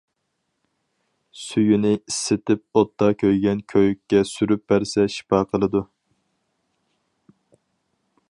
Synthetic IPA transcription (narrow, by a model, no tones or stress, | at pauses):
syjynɪisːɪt̪ɪp̚ot̪ʰːɑkʲʰøjɡʲɛnkʲʰøjykʲːɛsyɾyp̚bæɾsɛʃi̥pɑqʰəlˠɨd̪u